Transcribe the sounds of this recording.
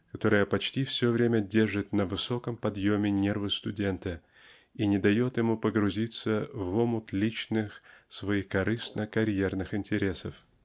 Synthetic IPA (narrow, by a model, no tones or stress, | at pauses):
kɐt̪o̞ɾəjəpɐt͡ɕtʲifsʲvʲovɾʲemʲədʲe̞rʐɨt̪nəvɨso̞kəmpɐd̪jomʲɪnʲe̞rvɨst̪ʊdʲe̞nt̪ɨ | inʲɪd̪ɐjo̞t̪jɪmupəɡɾʊzʲit̪səvomʊt̪lʲit͡ɕnɨxsvɐixkɐɾɨsnəkɐɾʲjernɨxɪnʲtʲɪɾʲe̞səf